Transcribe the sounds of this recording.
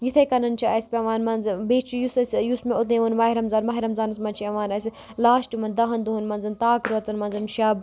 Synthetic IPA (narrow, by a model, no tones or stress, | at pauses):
jit̪ʰɐjkɐnɐnt͡ʃʰiɐsʲpʲɐʋaːnmɐnzbeːt͡ʃʰijusɐsjusmeut̪nẽʋɐnmɐɦiɾɐmzaːnmɐɦiɾɐmzaːnɐsmɐnt͡ʃʰiɐʋaːnɐsʲi | laːʃʈimɐnd̪ɐɦɐnd̪uɦunmɐnzɐnt̪aːkɾuɐt͡sɐnmɐnzɐnʃɐb